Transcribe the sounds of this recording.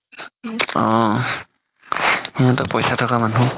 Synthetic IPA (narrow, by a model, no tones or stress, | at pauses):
ɔ | iŋatɔpɔjsatʰɔkamanu